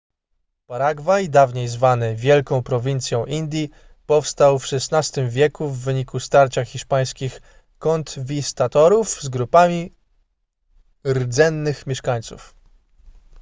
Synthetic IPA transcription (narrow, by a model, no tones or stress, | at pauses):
paɾaɡvajd̪avɲejzvanɘvʲjɛlkɔ̃w̃pɾɔvʲint̪sʲjɔ̃w̃ʔind̪ʲji | pɔfst̪awfʂɛsnast̪ɘmvʲjɛkuvːɘɲikust̪aɾt͡ɕaxːʲiʂpaj̃skʲix | kɔnt̪vʲist̪at̪ɔɾufzɡɾupamʲi | ɾd̪zɛnːɘxmʲɛʂkaɲt̪sṵf